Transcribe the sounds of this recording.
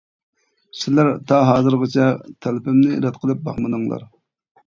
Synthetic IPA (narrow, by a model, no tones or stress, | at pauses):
sɪlæɾt̪ʰɑɦɑːzɨɾʁɨt͡ʃʰɛt̪ʰɛlɪpɪmnɪ̰ɾɛt̪qʰəlˠɨp̚bɑ̰χmɨnɨŋlˠɑ̰ɾ